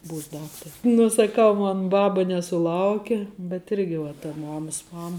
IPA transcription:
ˈbuːs ˈdɑːktɐrʲɪ ˈnuː sɐˈkɐʊ ˈmoːn ˈbɑːbɐ nʲɛsʊˈlˠɐʊkʲɛ bʲɛt ˈɪrʲɡʲɪ ʋɐ tɐ ˈmɑːmɐs ˈmɑːmɐ

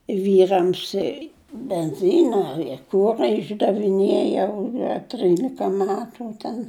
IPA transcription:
ˈʋʲiːrɐms ɪ bʲɛnʲˈzʲiːnɐ ɪ ˈkʊrɐ ɪʒdɐʋʲɪˈnʲeːjɛʊ ɐ ˈtʲrʲiːlʲɪkɐ ˈmʲæːtʊ tʲɛn

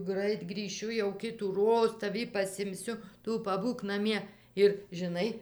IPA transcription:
ˈɡrɐɪt ɡrʲiːˈʃʲʊ jɛʊ kʲɪtuːˈroːs tɐˈʋʲiː pɐsʲɪmʲˈsʲʊ ˈtʊ pɐˈbuːk nɐˈmʲiɛ ɪr ʒʲɪˈnɐɪ

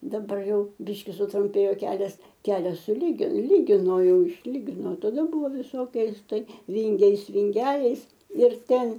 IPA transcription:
dɐˈbɐr ˈjɛʊ ˈbʲɪʃʲkʲɪ sʊtrʊmʲˈpʲeːjoː ˈkʲæːlʲɛs ˈkʲæːlʲɛs sʊˈlʲiː ˈlʲiːɡʲɪnoː ˈjɛʊ ɪʃʲˈlʲiːɡʲɪnoː tɐˈdɐ ˈbʊʋoː ʋʲɪˈsoːkʲɛɪs ˈtɐɪ ˈʋʲɪŋʲɡʲɛɪs ʋʲɪŋʲˈɡʲæːlʲɛɪs ɪr ˈtʲɛn

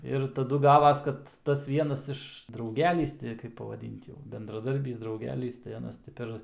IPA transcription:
ɪr tɐˈdʊ ˈɡɑːʋɐs ˈkɐt tɐs ˈʋʲiɛnɐs ɪʃ ˈdrɐʊɡʲɛlʲiːs tʲɪ kɐɪp pɐʋɐˈdʲɪnt jɛʊ bʲɛndrɐˈdɐrʲbʲiːs drɐʊˈɡʲæːlʲiːs tɐɪ ɐˈnɐs tʲɪ ˈpʲɛr

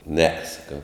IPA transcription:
nʲɛ sɐˈkɐʊ

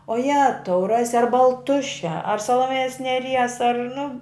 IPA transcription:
oː ˈjæːtɐʊ ˈrɑːsʲɪ ɐr bɐlˠˈtʊʃʲɛ ɐr sɐlˠoːˈmʲeːjoːs nʲɛˈrʲiɛs ɐr nʊ

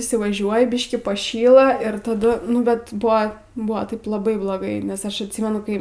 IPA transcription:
iːsʲɪʋɐˈʒʲuɔjɪ ˈbʲɪʃʲkʲiː pɐˈʃʲiːlˠɐ ɪr tɐˈdʊ ˈnʊ bʲɛt ˈbʊʋoː ˈbʊʋoː ˈtɐɪp lˠɐˈbɐɪ blˠoːˈɡɐɪ nʲɛs ˈɐʃ ɐtʲˈsʲiːmʲɛnʊ ˈkɐɪ

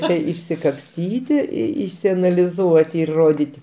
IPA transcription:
ˈt͡ʃʲɛ ɪsʲɪkɐpʲˈsʲtʲiːtʲɪ ɪ ɪsʲɛnɐlʲɪˈzuɔtʲɪ ɪr ˈroːdʲɪtʲɪ

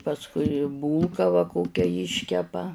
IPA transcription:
pɐsˈkʊɪ ˈbuːlˠkɐ ʋɐ ˈkoːkʲɛ ˈjɪʃʲkʲɛpɐ

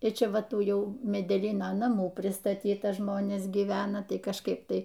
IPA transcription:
ɪr ˈt͡ʃʲɛ ˈʋɐ ˈtuː ˈjɛʊ mʲɛdʲɛˈlʲiːnoː nɐˈmuː pʲrʲɪstɐˈtʲiːtɐ ˈʒmoːnʲeːs ɡʲiːˈʋʲæːnɐ ˈtɐɪ kɐʃˈkɐɪp ˈtɐɪ

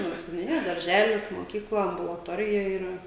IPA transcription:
ˈnʊ sʲɛnʲʊnʲɪˈjɛ dɐrʲˈʒʲæːlʲɪs moːˈkʲiːklˠɐ ɐmbʊlˠɐˈtoːrʲɪjɛ iːˈrɐ

